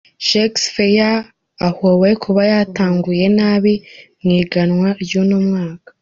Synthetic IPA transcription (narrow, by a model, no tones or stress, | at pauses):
ʃeksfejaː | hoβe̞kʰuβajataːŋɡuje̞naːβimŋiːɡanŋwaɾjunumŋaːkḁ